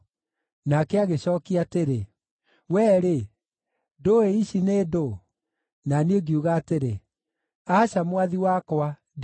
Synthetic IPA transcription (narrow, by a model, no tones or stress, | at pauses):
nakɛaɣeɕɔkiateɾe | wɛːɾe | doeiɕineːdo | nanieɡiuɣaːteɾe | aɕamowaðiwakwa | d